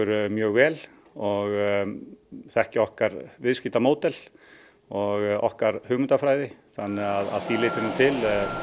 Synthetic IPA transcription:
ʏɾmjœːɣvɛːl | ɔɣ | θɛhcɪɔhkaɾvɪðsciːt̪amoːwt̪ɛl | ɔɣɔ̰hkaɾ̥hʏːɣmʏnt̪afɾaːjðɪθanːɪɣaða̰ðθilɪːt̪ɪɾnʏt̪ʰɪl

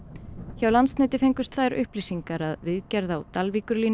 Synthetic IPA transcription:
çawlansnɪːt̪ɪfeɲŋkʏst̪θaðɾʏ̰hpliːsiŋkaɾaðvɪðcɛɾðawt̪alvikʏɾliːn

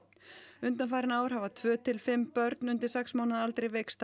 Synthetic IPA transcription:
ʏnt̪̬anfaːjɾɪnaːwɾ̥havat̪ʰvœːt̪ʰɪlfɪmːpœɾt̪nʏnt̪ɪɾ̥sɛksmaːwnaðalt̪ɾejvejkst̪

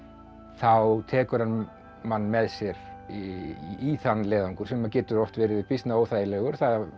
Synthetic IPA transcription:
θawt̪ʰɛːkʏɾ̥han | manːmɛðsjɛɾ | iθanːlɛːðaŋkʏɾsɛmːacɛːt̪ʏɾɔft̪vɛːɾɪvɪpist̪naoːwθajɪlɛːɣʏɾ̥θaða

